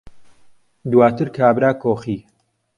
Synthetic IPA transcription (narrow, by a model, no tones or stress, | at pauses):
d̪waːt̪ʰɨɾkʰaːbɾaːkoːxiː